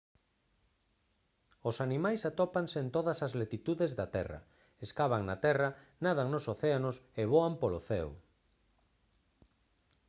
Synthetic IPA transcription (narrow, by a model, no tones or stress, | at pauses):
osanimajsat̪ɔpaŋseːnt̪oðɐsazlet̪it̪uðezðat̪ɛrɐ̰ | eskaβaŋnat̪ɛrɐnað̞aŋnosoθeanoseβoampoloθɛ̰w